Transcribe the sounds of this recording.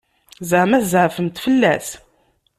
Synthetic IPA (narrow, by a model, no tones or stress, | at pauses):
zʕmæθzʕfəmt̪fəlːæs